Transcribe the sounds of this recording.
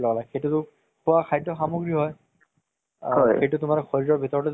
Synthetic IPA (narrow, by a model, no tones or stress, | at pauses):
lɔɡalaxejtutʊ | kʰʊakʰajtɔxamuɡɹiɦɔj | ɔxejtʊtʊmaɹɔxoɹiɹɔɹbʱitɔɹɔtɔ